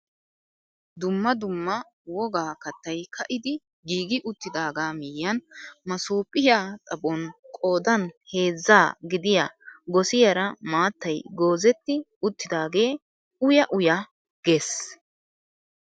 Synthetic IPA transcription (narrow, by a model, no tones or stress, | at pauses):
d̪ʊmːɐd̪ʊmːɐ | wɔɡaːkɐt̪ːɐjkɐʔɪd̪ɪ | ɡiːɡɪʔʊt̪ːɪd̪aːɡaːmɪjːɐnmɐsuːpʼːɪjaːt̪ʼɐbɔnkʼo̞ːd̪ɐnhe̞ːzːaːɡɪd̪ɪja̰ɡɔsɪjɐɾɐmaːt̪ːɐjɡo̞ːzɛt̪ːɪ | ʊt̪ːɪd̪aːɡe̞ː | ʊjɐʔʊja | ɡ̥e̞ːs